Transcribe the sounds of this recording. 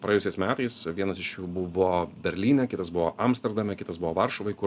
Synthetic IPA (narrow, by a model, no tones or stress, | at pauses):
pɾɐeɛjʊsʲɛɪsmʲæːt̪ɐɪsʋʲiɛnɐsɪʃjuːbʊʋoːbʲɛɾʲlʲiːnʲɛkʲɪt̪ɐsbʊʋoːʔɐmst̪ʲɛɾd̪ɐmʲɛkʲɪt̪ɐsbʊʋoːʋɐɾʃoʋɐɪkʊ